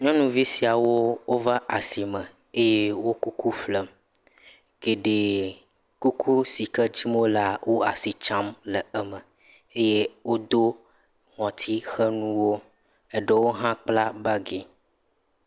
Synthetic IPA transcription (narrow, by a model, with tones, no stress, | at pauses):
ɲɔ̃˦nũ˨vi˦si˨a˨wo˦wo˦va˦ʔa˨si˨mə̃˨ | e˦je˦wo˦ku˦ku˦flə˨m | ɡ̥e˨ɖe˨ | ku˦kʰu˦si˨kə˦d͡ʑi˦mo˦la˨wʔo˦a̰˨si˨t͡ʃã˦mlə˨ɛ˦mə˨ | e˦je˦wo˦d̪o˦ | ŋɔ̃˨t̪ʰi˦xə˦nũ˦wo˦ | e˦ɖə˨wo˦ɦã˦k͡pla˦ba˦ɡe˨